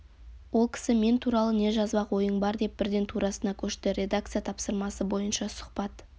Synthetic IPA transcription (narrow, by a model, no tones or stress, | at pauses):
wo̞lˠkʲʰɪ̥sɪme̞nt̪ʰuɾɑlˠəne̞ʒɑzbɑqwo̞jəɴbɑɾd̪e̞p̚b̥ɪɾd̪e̞nt̪ʰuɾɑsənɑkʲʰɵʃt̪ɪɾʲe̞d̪ak̚t̪sɨjat̪ʰɑpsəɾmɑsəbo̞jənʃɑsʊ̥qpɑt̪